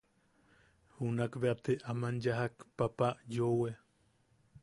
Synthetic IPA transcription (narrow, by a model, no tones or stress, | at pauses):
hunakβeat̪eʔamanjaɦakpapajowe